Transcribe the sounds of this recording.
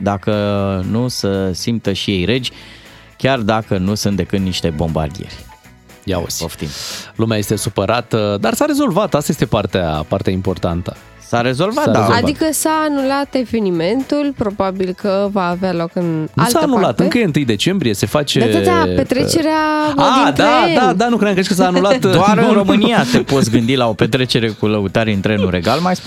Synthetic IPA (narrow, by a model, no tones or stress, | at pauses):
d̪akənusəsimt̪əʃije̞jɾe̞d͡ʒʲ | kʲard̪akənusunt̪d̪e̞kɨt̪niʃt̪e̞bo̞mba̰rd̪ijḛrʲ | ja̰ṵzʲoʃt̪ḭmlumeajest̪e̞supəɾat̪d̪arsaɾe̞zo̞lvat̪ast̪ajest̪epart̪ea̰part̪eaimpo̞rt̪ant̪ə | saɾe̞zo̞lvat̪d̪aadvikəsaːnulat̪e̞ve̞nime̞nt̪ulpɾo̞babilkəvaːvealo̞kɨnnaṵsaːnulat̪ɨŋkəjeɨnt̪ɨjd̪e̞t͡ʃe̞mbɾije̞se̞fat͡ʃet̪apet̪ɾet͡ʃe̞ɾeaaid̪d̪ad̪anukɾeŋkɾeʃkəs̬aːnlat̪d̪oaɨɾo̞mɨnijat̪e̞pot̪sʲɡɨnd̪ilao̞pet̪ɾe̞t͡ʃe̞ɾe̞kuləut̪aɾeint̪ɾenuɾe̞ɡalmajs